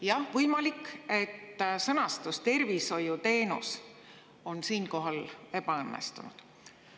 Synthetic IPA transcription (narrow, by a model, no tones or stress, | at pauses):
jɑhvɤjmɑlikːe̞t̪ːsɤnɑst̪ust̪e̞rviso̞jut̪e̞ːnṵs | o̞nsiːnko̞ɦɑle̞pɑɤnːḛst̪ṵnṵd̪̥